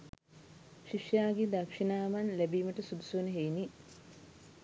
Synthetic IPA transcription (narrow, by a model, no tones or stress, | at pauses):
ʃiʂjaːɡed̪ɐkʂinaːmɐnlebiːməʈəsud̪usunəɦejni